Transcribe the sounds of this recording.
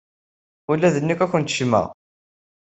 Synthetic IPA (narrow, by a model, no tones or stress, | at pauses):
ulːæðənːikːækʷːənt̪ʃmæ̰